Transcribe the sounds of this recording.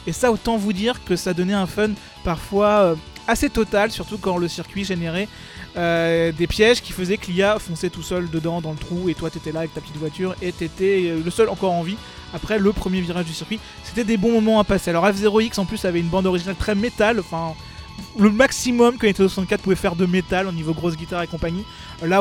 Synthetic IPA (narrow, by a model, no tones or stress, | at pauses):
esaot̪ɑ̃vud̪iʁkəsad̪ɔnɛɛ̃fœn | paʁfwaøaset̪ɔt̪alsyʁt̪ukɑ̃ləsiʁkʲɥiʒeneʁɛ | ød̪epjɛʒkʲifəzɛkliafɔ̃sɛt̪usœld̪əd̪ɑ̃d̪ɑ̃lət̪χuet̪wat̪yet̪ɛlaːvɛk̚t̪apə̥t̪it̪vwat̪yʁet̪et̪ɛləsœlɑ̃kɔʁɑ̃vi | apχɛləpχəmjeviʁaʒd̪ysiʁkʲɥi | se̥t̪ɛd̪ebɔ̃mɔmɑ̃apasealɔʁɛfzeʁoiksɑ̃plysavɛynbɑ̃d̪ɔʁiʒinalt̪χɛmet̪alɑ̃fɛ̃ | ləmaksimɔmkɑ̃et̪ɛoswasɑ̃t̪kʲat̪puvɛfɛʁd̪əmet̪alonivoɡʁos̬ɡʲit̪aʁekɔ̃paɲi | la